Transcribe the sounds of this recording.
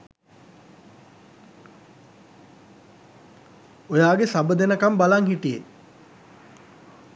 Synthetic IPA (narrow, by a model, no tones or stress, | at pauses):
ojaːɡesabəd̪enəkambalaŋɦiʈije